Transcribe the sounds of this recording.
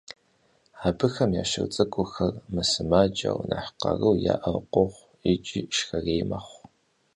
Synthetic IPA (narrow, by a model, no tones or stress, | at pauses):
aːbɨxɐmjaːʃɨ̰rt͡sʼɨkʷʼʊxɐrmɨsɨmaːd͡ʒɐwnɐħqɐrɨwjaːʔɐqʷʼɔχʷ | ɪt͡ʃʼiːʃxɐreːjmɐχʷ